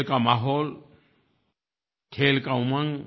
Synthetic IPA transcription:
lkamaɦoːl | kʰeːlkaʊmaŋ

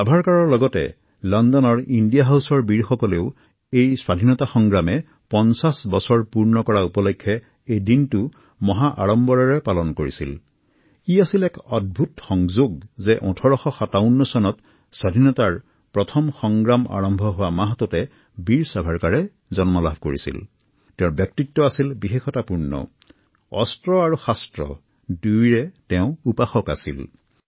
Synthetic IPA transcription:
sabʱaɹkaɹɔɹlɔɡɔtɛ̰ | lɔndɔnɔɹindijaɦawsɔɹbiɹxɔkɔleʊ | ejswadʱinɔtaxɔŋɡɹamɛ | pɔnsasbɔsɔɹpuɹnɔkɔɹaupɔlɔkʰːɛ | ejdintʊ | mɔɦaʔaɹɔmbɔɹaɹɛpalɔnkoɹisḭl | iasilɛkɔd̚bʱutxɔŋzoɡzɛʔɔ̃tʰɔɹɔxɔxataʊnːɔsɔnɔt | sadʱinɔtaɹ | pɹɔtʰɔmxɔŋɡɹama̰ɹɔmbʱɔɦʊwamaɦtɔtɛ | biɹsabʱaɹkaɹɛ | zɔnmɔlabʱkoɹḭsḭl | tɛʊ̃bjɔk̚titːɔasilbixexɔtapuɹnɔ̰ | ɔstɹɔaɹuxastɹɔ̰ | dujɹɛtɛʊ̃upaxɔkasḭl

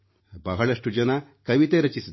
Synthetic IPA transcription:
bɐɦɐɭɐʂʈud͡ʒɐnɐkɐʋit̪eɾɐt͡ʃisi

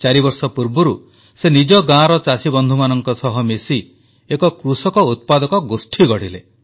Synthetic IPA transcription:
t͡ʃaɾibɔɾsɔpuɾbuɾu | senid͡ʒɔɡãɾɔt͡ʃasibɔnd̪ʱumanɔŋkɔsɔɦɔmesi | ekɔkɾusɔkɔut̪̚pad̪ɔkɔɡosʈʰiɡɔɽ̤ile

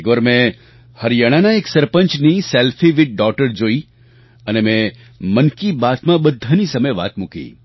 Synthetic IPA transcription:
kʋəɾmẽ | hɐɾjaːɽ̃anaeːksɐɾpə̃nt͡ʃnisɛːlfʰiʋɪʈ̚ɖɔːkʈəɾd͡ʒoːi | ənemẽ | mənkibaːt̪mãbɐd̪ʱːənisɐməjʋa̰ːt̪mʊkḭː

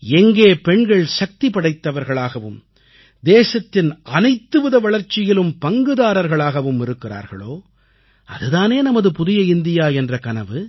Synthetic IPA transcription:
ɛŋɡeːpɛɳɡɐɭsɐk̚t̪ipɐɽɐɪt̪ːɐʋɐɾɣɐɭaːɣɐʋɯ̰m | d̪eːsɐt̪ːɪnʔɐnɐɪt̪ːɯʋɐðɐʋɐɭɐɾt͡ʃːɪjɪlɯmpɐŋɡɯðaːɾɐɾɣɐɭaːɣɐʋɯmɪɾɯkːɪra̰ːɾɣɐ̰ɭo̰ː | ɐ̰ðɯðaːneːnɐmɐðɯpʊðɪjɐɪnd̪ɪjaːɛndrɐkɐnɐʋɯ

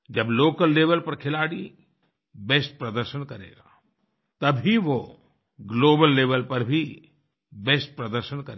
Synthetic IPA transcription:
d͡ʒɐbloːkəlːeːʋəlpɐɾkʰɪlaːɽi | bɛsʈ̚pɾɐd̪əɾʃənkɐɾḛːɡa̰ː | t̪ɐbʱiʋo | ɡloːbəlːeːʋəlpɐɾbʱi | bɛːsʈ̚pɾɐd̪əɾʃənkɐɾ

